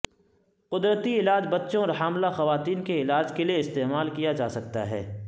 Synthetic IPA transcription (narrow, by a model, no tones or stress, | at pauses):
qʊd̪ɾət̪iɪlaːd͡ʒbɐtːʃõɔɾɦaːmlaxɐʋaːt̪iːnkeɪlaːd͡ʒkelieɪst̪eːmaːlkijad͡ʒaːsɐk̚t̪a̰ɦɛ̰ː